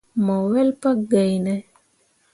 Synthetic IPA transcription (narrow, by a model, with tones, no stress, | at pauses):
mɔ˨wɛ˦lpa˦ɡa˨jnɛ˦